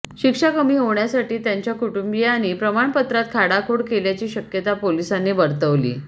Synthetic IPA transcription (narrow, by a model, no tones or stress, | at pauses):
ɕikʂakəmiːɦoʋɳjasaʈiːt̪jaɲt͡ɕjakuʈumbijañipɾəmaɳpət̪ɾat̪̚kʰaɽakʰoɽkeljat͡ɕiːɕəkjət̪apolisanːebəɾt̪əʋlḭː